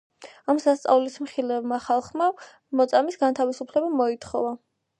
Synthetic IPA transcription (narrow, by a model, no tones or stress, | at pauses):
amsast̪sʼa̰vlismχilɛvmaχalˠχma | mɔt̪sʼamisɡant̪ʰavisupʰlɛbamɔit̪ʰχɔ̰va